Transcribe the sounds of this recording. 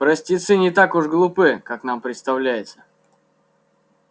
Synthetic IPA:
pɾɐsʲtʲɪt̪sɨnʲɪt̪akʊʐɡlˠʊpɨkaknampɾʲɪt̪st̪ɐvlʲæjɪt̪sə̥

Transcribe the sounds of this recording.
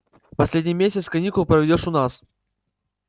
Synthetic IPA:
pɐsʲlʲedʲnʲijmʲesʲɪt̪skɐnʲikʊlˠpɾəvʲɪdʲoʂʊnas

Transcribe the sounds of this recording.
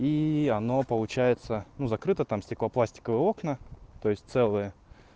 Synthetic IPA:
iɐno̞pəlˠʊt͡ɕæjɪt̪sənuzɐkɾɨt̪ət̪amsʲtʲɪklˠɐplˠasʲtʲɪ̥kəvəjəo̞knət̪o̞jɪsʲt̚ʲt̪sɛlˠɨjə

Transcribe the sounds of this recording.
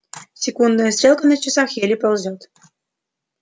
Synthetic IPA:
sʲekund̪ɤ̆jəsʲt̪rʲelˠkɤ̆nɤt͡ɕːĕsɑxʲelʲipŏlˠzʲot̪

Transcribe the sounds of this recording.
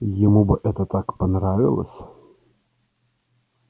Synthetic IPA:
jɪmubɨʔɛt̪ət̪akpɐnɾavʲɪ̰lˠə̰sʲ

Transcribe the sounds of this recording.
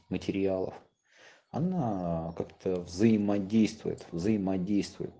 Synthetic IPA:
mətʲɪɾʲɪalˠə̰f | ɐnakakt̪ʰəvzəjɪmɐdʲejst̪vʊ̰jɪ̰t̪vzəjɪmɐdʲejst̪vʊ̰jɪ̰t̪

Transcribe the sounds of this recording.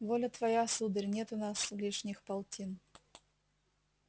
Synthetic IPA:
volʲət̪vɐjasud̪əɾʲnʲet̪ʊnaslʲiʂnʲɪxpɐlˠtʲin

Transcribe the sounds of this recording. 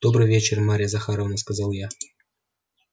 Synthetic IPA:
d̪̥obrɨvʲet͡ɕermaɾʲɪjazaxɑɾovnəskazɑlˠja

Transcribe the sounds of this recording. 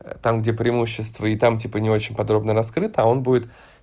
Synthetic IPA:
t̪amɡdʲepɾʲɪɪmuɕːɪst̪vəɪt̪amtʲipənʲɪo̞t͡ɕɪnʲpɐd̪ɾo̞bnəɾɐskɾɨt̪əɐo̞nbudʲɪt̪

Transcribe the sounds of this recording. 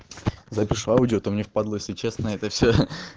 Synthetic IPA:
zapʲiʂaudʲɪot̪omnʲefpad̪lˠəjesʲlʲɪt͡ɕesnəɛt̪əfsʲo

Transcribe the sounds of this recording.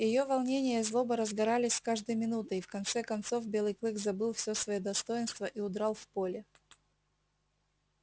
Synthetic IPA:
jɪjovɐlˠnʲenʲɪjəzlˠo̞bəɾəzɡɐɾalʲɪsʲskaʐd̪əjmʲɪnut̪əifkɐnt̪sɛkɐnt̪so̞vbʲelˠɨjklˠɨɡzɐbɨlˠfsʲosvɐjod̪ɐst̪o̞jɪnst̪vəʔiʊd̪ɾalˠfpolʲɪ

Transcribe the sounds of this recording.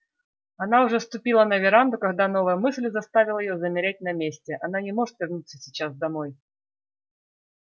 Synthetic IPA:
ɐnaʊʐɛst̪ʊpʲilˠənɐvʲɪɾand̪ʊkɐɣd̪anovəjəmɨsʲlʲzɐst̪avʲɪlˠəjɪjozəmʲɪɾʲæt̚ʲnɐmʲesʲtʲɪʔɐn̪anʲɪmo̞ʐɨt̪vʲɪrnut̪səsʲɪt͡ɕazd̪ɐmoj

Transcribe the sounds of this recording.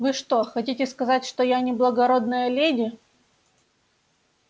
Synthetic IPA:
vɨʂt̪o̞xɐtʲitʲɪskɐzatʲʂt̪ojanʲɪblˠəɡɐɾo̞d̪nəjəlʲedʲɪ

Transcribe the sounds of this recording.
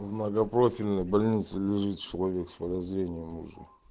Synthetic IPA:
vnəɡɐpɾofʲilʲnəjbɐlʲnʲit̪sɨlʲɪʐɨt̪t͡ɕɪlˠɐvʲekspəd̪ɐzɾʲenʲɪjəmṵʐɨ̰

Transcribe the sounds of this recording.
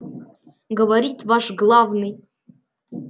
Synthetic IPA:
ɡəvaɾitʰvaʂɡlˠavnɨj

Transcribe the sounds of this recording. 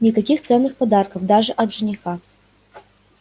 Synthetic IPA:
nʲikɐkʲixt̪sɛnːɨxpɐd̪arkɐfd̪aʐɨʔɐd̪t̪ʐɨnʲixa

